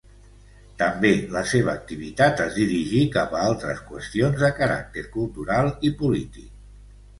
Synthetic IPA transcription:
t̪əmbeləseβəːk̚t̪iβ̞it̪at̪əzd̪iɾiʒikapəalˠt̪ɾə̰skwəst̪ionzðəkəɾa̰k̚t̪eɾkulˠt̪uɾalˠipulit̪ḭk̚

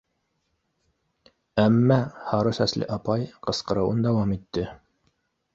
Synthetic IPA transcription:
æmːæhɑɾɤsæslʔɘ̰ʔɑpɑjqɤ̆sqɤ̆ɾɤ̆wɤnd̪æwɑmit̪ːɘ

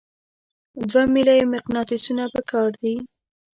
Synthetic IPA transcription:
d̪wamilajmɪqnɑt̪ɪsunapəkɑɾd̪i

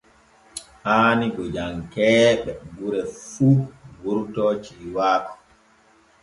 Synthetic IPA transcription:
ʔaːniɡɔd͡ʒaŋkɛːɓɛɡuɾɛfuːɡuɾtɔːt͡ʃiːwaːkɔ̥

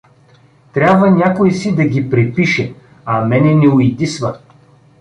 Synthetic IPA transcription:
t̪ɾʲabvɐnʲakojsid̪ɐɡʲipɾɛpiʃɛ | ɐmɛnɛnɛʊid̪isvɐ

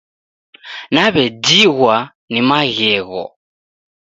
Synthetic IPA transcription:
naβɛdiɣwa | nimaɣɛːɣɔ̰

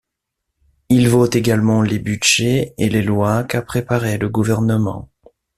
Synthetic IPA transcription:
ilvot̪eɡalmɑ̃lebyʒeelelwakapχepaʁeləɡuvɛʁnəmɑ̰̃

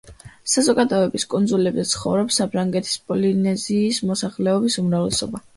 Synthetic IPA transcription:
sazɔɡad̪ɔɛbiskʼund̪zulɛbzɛt̪sʰχɔ̰vɾɔpsapʰɾaŋɡɛt̪ʰi̥spʼɔlinɛziːsmɔsaχlɛɔbisumɾavlɛsɔba

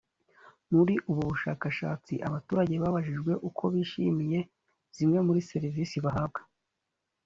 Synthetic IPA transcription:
muɾiʔuβuβuʃa̰ːkaʃa̰ːt͡sḭʔaβatuːɾaɟe̞βaβaʒiʒɡwe̞ʔukʰo̞βiːʃḭmije̞ | z̥imŋe̞muɾise̞ɾiviːsiβaɦab̚ɡḁ

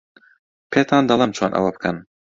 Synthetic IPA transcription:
pʰeːt̪ʰɑːnd̪ɐlˠɐmt͡ʃʰoːnʔɐ̰wɐbɨ̥kʰɐn

